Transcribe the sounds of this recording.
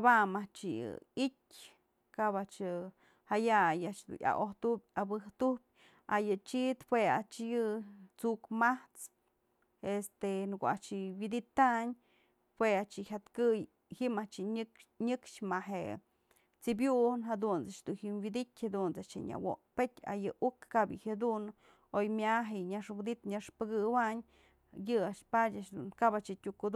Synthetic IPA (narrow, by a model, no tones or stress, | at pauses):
bamat͡ʃijɨ̰itʲ | kabat͡ʃɨ | hajajaʔt͡ʃd̪ṵnʔa̰ʔoht̪upʲabɨht̪ubʲ | a̰jɨt͡ʃit̪pweat͡ʃjɨt͡sukmaht͡s | est̪enkoa̰t͡ʃiwid̪it̪aɲ | pweat͡ʃiçʲat̪kɨj | himat͡ʃɨɲɲɨkʂmaɦḛ | t͡sibjunɦad̪unt͡sat͡ʃd̪uhimwid̪itʲhad̪unt͡sat͡ʃeɲa̰wo̰pet̪ʲa̰jɨʔukːabjɨhjad̪un | ojmjaɦejɲaʂɡd̪it̪ɲaʂpɨɡɨwaɲ | jɨaʃpadʲaʃd̪unkabat͡ʃɨtʲukud̪